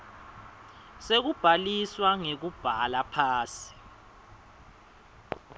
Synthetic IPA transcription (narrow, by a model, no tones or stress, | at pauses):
sek̬ub̥ʱaliswaŋek̬ub̥ʱalapʰaːsi̥